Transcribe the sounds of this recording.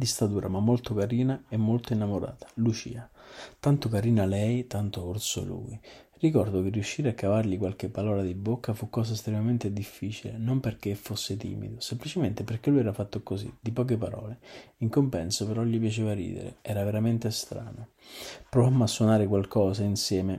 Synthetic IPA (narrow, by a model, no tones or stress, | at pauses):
d̪ist̪at̪uːɾamamːolt̪okaɾiːnaemːolt̪oinːamoɾa̰ːt̪ḁlut͡ʃḭːat̪ant̪okaɾiːnalɛjt̪ant̪oort̪so̰lṵj | rikɔrd̪ok̟erːiuʃːiːɾeakːavarʎikwalk̟epːalɔːlad̪ibokːafukːɔːs̬ast̪ɾemament̪ed̪ifːiːt͡ʃilḛnomperk̟efːosːɪt̪ḭːmḭd̪osemplit͡ʃement̪eperkelujɛɾafat̪ːokosḭd̪ipɔːk̬epaɾɔ̰ːleiŋkompɛnsopeɾɔʎːip̬jat͡ʃeːvarḭːd̪ḛɾḛɛːɾaveɾament̪est̪ɾa̰ːno | pɾovamːasːwonaːɾɪkwalkʰɔːsainsjɛːme